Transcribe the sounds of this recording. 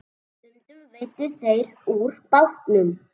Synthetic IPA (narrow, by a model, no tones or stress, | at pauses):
ʏnt̪ʏɣveːjt̪ʏθejɾuɾ̥pawht̪nʏm